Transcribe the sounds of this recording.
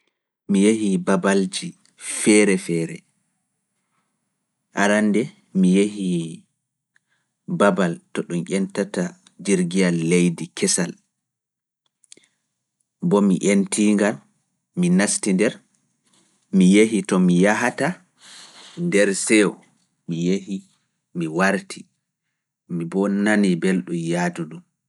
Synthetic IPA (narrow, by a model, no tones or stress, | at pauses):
mijehibabald͡ʒi | fɛɾɛfɛːɾɛ̰ | ʔaɾandɛ | mijehi | babaltɔɗumʔʲɛntata | d͡ʒiɾɡijalːejdikʰɛsal | bɔmiʔentʰiːŋɡal | minastindɛɾ | mijeɦitɔmijaɦata | ndɛɾsɛw | mijehi | miwaɾtʰi | mibɔnanibelɗumjaːduɗum